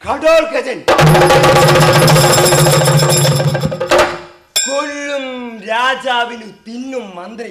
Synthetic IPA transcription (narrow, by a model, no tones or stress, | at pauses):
kɐʈoːlkɐd͡ʒɐl | soɭːumɾaːd͡ʒaːʋilipinːɯmːɐnd̪ɾɐ